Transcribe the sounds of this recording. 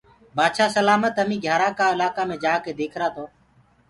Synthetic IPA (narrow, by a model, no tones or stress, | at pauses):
baːd̪ʃaːsəlaːmət̪əmĩːɡʱjaːɾaːkaːɪlaːkaːmẽːd͡ʒaːkeːd̪eːkʰɾaːt̪ʰoː